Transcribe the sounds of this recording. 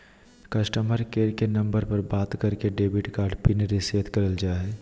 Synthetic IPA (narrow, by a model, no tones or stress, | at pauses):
kɐsʈəməɾkeːɾkenɐ̃mbəɾpəɾbaːt̪kəɾkeɖeːbɪʈkaːɾɖpineɾiseːt̪kəɾəld͡ʒaːe